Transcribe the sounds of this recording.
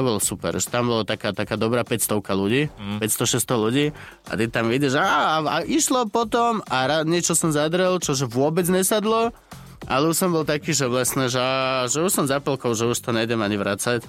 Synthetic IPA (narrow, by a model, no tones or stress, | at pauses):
ɔbɔlɔsupɛ̰ɾʒɛt̪ambɔlat̪akaːt̪akaːd̪ɔbɾaːpɛcst̪ɔʊkaluɟiːpɛcst̪ɔʃɛst̪ɔluɟiː | a̰t̪it̪amiɟɛʒaːaʔiʃlɔpɔt̪ɔmaɾaɲɪɛt͡ʃɔsɔmzad̪ɾɛlt͡ʃɔʒɛʋʊɔbɛd͡zɲɛsad̪lɔ | a̰lɛuʃsɔmbɔlt̪akiːʒɛʋlɛsnɛʒɛaʒɛuʃsɔmzapɔlkɔʊʒɛuʃt̪ɔɲɛɟɛmaɲiʋɾat͡sac